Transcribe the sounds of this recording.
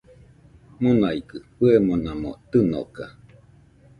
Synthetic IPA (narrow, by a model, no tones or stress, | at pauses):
monaikɯpɨemonamo̰t̪ɨno̰ka̰